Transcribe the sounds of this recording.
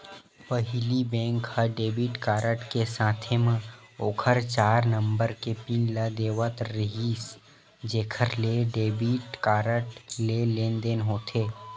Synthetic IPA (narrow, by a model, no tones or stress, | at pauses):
pəɦɪlibɛ̃ːŋkhəɖeːbiʈkaːɾəʈkesãːt̪ʰemə̃ | oːkʰəɾt͡ʃaːɾnə̃mbəɾkepiːnlad̪eːʋət̪ɾɪɦiːs | d͡ʒeːkʰəɾleɖeːbiʈkaːɾəʈleleːnd̪eːnɦoːt̪ʰeː